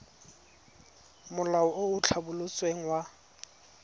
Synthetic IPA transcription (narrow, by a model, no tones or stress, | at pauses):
mʊlaɔoʊt͡ɬʰabʊlʊt͡sʼweŋ̩wa